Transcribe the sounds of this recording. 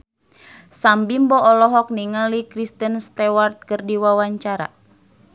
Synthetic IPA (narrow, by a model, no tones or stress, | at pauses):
sambimbɔʔɔlɔɦɔk̚niŋalikɾist̪ənst̪ɛwart̪̚kərdiwawaɲt͡ʃaɾa̰